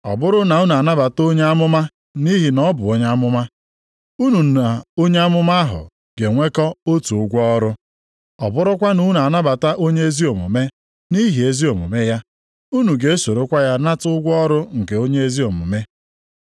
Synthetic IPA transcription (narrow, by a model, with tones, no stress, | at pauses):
ɔ̰˨bʊ˦ɾʊ˦na˨u˦n˨a˨na˦ba˨to˦ɲe˦a˦mʊ˦ma˦ | ni˦ɦi˨nɔ˦bʊ˨o˦ɲ˦a˦mʊ˦ma˦ | u˦nu˨na˨o˦ɲe˦a˦mʊ˦ma˦a˦ɦʊ̰˨ | ɡe˨ŋʷe˦kɔ˦o˦tu˨ʊ˦ɡʷɔ˦ɔ˦ɾʊ˦ | ɔ˨bʊ˦ɾʊ˦kʷa˦nu˦n˨a˨na˦ba˨ta˦ʔo˦ɲe˦e˦zi˦o˨mṵ˨me˦ | ni˦ɦi˨e˦zi˦o˨mṵ˨me˦ja˦ | u˦nu˨ɡe˦e˦so˨ɾo˦kʷa˦ja˦na˦tʊ˦ʊ˦ɡʷɔ˦ɔ˦ɾʊ˦ŋ̩˨ke˨o˦ɲe˦e˦zi˦o˨mṵ˨me˦